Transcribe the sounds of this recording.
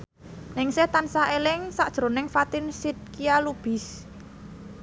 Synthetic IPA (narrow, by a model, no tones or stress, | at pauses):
nɪŋset̪ansaʔelɪŋsaʔd̥ʒ̥ɾo̤nɪŋfat̪ɪnsit̪̚kijalub̥i̤s